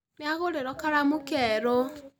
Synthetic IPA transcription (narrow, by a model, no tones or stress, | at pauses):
neaɣoɾeɾɔkaɾamokɛɾo